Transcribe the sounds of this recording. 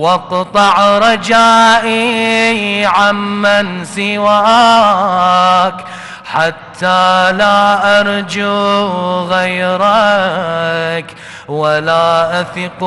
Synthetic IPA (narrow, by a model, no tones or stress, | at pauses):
wɑqt̪ˤɑʕɾˤɑd͡ʒaːʔi | ʕamːansɪwaː | k | ħat̪ʰːaːlaːʔɑɾˤd͡ʒu | ɣajɾa | k | walaːʔaθɪq